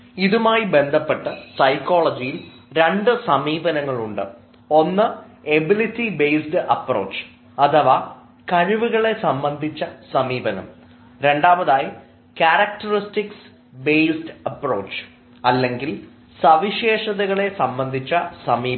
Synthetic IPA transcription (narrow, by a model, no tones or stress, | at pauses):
iðumaːjibe̞nd̪ʱɐpːe̞ʈːɨsɐjkːoːɭɐd͡ʑijil | ɾe̞ɳɖɨsɐmiːbɐnɐŋːɐɭuɳɖɨ̰ | o̞nːɨebilitːibejsdɨɐpro̞̰ːt͡ɕːɨ̥ | ɐt̪ʰɐʋa | kɐɻiʋuɣɐɭe̞sɐmbɐnd̪ʱit͡ɕːɐsɐmiːbɐnɐ̰m | ɾe̞ɳɖaːmɐðaːji | kaɾɐk̚ʈɐristiks | bejsdɨɐpro̞ːt͡ɕːɨ̥ | ɐlːe̞ŋɡil | sɐʋiɕeːʂɐðɐɣɐɭe̞sɐmbɐnd̪ʱit͡ɕːɐsɐmiː